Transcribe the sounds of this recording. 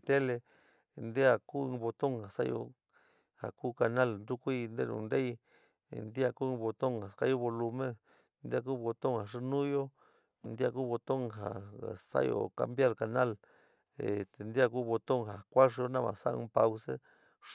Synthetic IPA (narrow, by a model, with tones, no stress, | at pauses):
t̪e˦le˧ | nd̪e˦a˧ku˦ɨ̃˧βo˧t̪o˦ŋha˨sa˦jo̰˧ | ha̰˨ku˦ka˧nã˦˧lnd̪u˦kʷi˦˧nd̪ḛ˦˧nṵ̃˧nɾe˦j | nd̪i˦a˧ku˦˧βo˧t̪o˦ŋa˨ka˦jo˦˧βo˧lu˧mẽ˦ | nd̪e˦a˧k̬u˦βo˧t̪o˦ŋha˨ʂi˧nũ˦jo˦ | nd̪i˦a˧ku˦βo˧t̪o˦ŋɦa̰˨sa̰˦jo̰˧˨ka̰˧mbja˦ɾka˨nã˦˧l | e˨t̪e˨nd̪i˦a˧ku˦βo˧t̪o˦ŋɦa˨kʷa˦ʂ̬o˧nã˦˧mã̰˨sa̰˦˧ɨ̰̃˦pa˧wse˦